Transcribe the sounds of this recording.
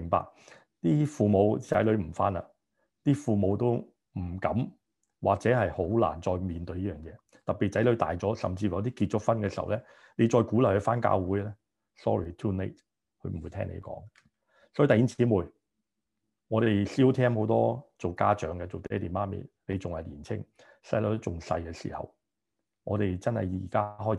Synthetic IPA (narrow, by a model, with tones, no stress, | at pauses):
mɪ˨˩ŋpa̰ː˨k̚ | t̪iː˥fuː˨mo˨˧wt͡sɐ̰˨˥jlɵ˨˧ɥm̩˨˩fa̰ː˥na̰˧˨ | t̪iː˥fuː˨mo˨˧wt̪o˥w | m̩˨˩kɐ˨˥m | wʔaː˨k̚t͡sɛː˨˥ɦɐ˨jho˨˥wla̰ː˨˩nt͡ʃɔː˧jmiː˨nt̪ɵ˧ɥjiː˥jœː˨ŋjɛː˨˧ | t̪ɐ˨pːiː˨t̚t͡sɐ˨˥jlɵ˨˥ɥt̪a̰ː˨jt͡sɔː˨˥sɐ̰˨mt͡siː˧ft̪iː˥kiː˧t̚t͡ʃʊ˥k̚fɐ˥nkɛ˧sḭ˨˩˨wlɛː˥ | ne˨˧t͡ʃɔː˧jkuː˨˥lɐ˨˩hɵ˧˥faː˥nka̰ː˧wuː˨˥jlɛ˥ | sɔ̰ː˥ɹiː˨˩t̪ʰuː˥nḛ˥t̚ | kʰɵ˧ɥm̩˨˩wu˨˧˦t̪ʰɛ̰ː˥ŋnḛ˧jkɔ̰ː˨˥ŋ | sɔ˨˥˨t̪ɐ˨˩ji˥ŋt͡siː˨˥muː˨j | ŋɔː˨˧ɾe˨jsiː˥wt̪ʰɛː˥mho˨˥wt̪ɔː˥t͡so˨wkaː˥t͡ʃœː˨˧ŋɡɛ˧t͡so˨wt̪ɛː˥d̪i˨maː˥mḭ˨ne˨˧jt͡sʊ˨ŋhɐ˨jliː˨˩nt͡sʰɪ̰˥ŋ | sɐ˧jlo˨˧˩t͡sʊ˨˩ŋsɐ̰˧jkɛː˧sḭː˨˩hɐ̰˨w | ŋɔ̰ː˨˧ɾe˨jt͡sɐ˥nhɐ̰˨jiː˨˩kaː˥ɦɔː˥j